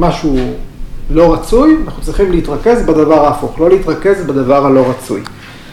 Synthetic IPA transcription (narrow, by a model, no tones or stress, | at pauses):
maʃu | lo̞ʁat͡sujanaχnut͡sʁiχimliit̪ʁake̞zbadavaʁaːfuχlo̞leit̪ʁake̞zbad̪avaʁhalo̞ʁat͡sṵj